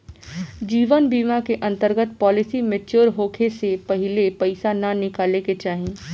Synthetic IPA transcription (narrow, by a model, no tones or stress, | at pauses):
d͡ʒiːʋənbiːmãkeʔɐ̃nt̪əɾɡət̪pɔːlɪsimẽt͡ʃoːɾɦoːkʰesepɐɦɪlepɐɪsananɪkaːleket͡ʃaːɦẽː